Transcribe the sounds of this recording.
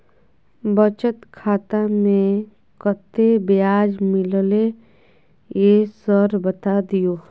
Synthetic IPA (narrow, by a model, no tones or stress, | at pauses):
bət͡ʃət̪kʰaːt̪amẽ | kət̪ːebjaːd͡ʒmɪlle | jesəɾbət̪ad̪ijoː